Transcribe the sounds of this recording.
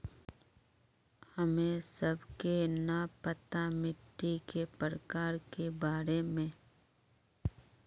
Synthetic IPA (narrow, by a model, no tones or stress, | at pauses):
həmẽsəbkenɐpət̪amɪʈːikepəɾəkaːɾkebaːɾemẽ